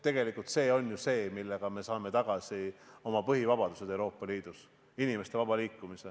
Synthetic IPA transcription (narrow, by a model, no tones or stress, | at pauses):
t̪e̞ɡe̞likːˑult̪se̞ːo̞nʲjuse̞ːmilːe̞ɡ̥ɑme̞sɑːme̞t̪ɑɡ̥ɑsio̞mɑpɤɦivɑb̥ɑd̪̥use̥e̞wɾo̞ːpˑːɑliːd̪̥us | inime̞st̪e̞vɑb̥ɑliːkːumise